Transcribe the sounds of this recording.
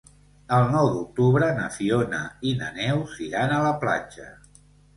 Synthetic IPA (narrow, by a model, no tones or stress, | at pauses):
əlˠnɔwd̪uk̚t̪uβɾənəfionəinə̰nɛwziɾanələpla̰d͡ʒə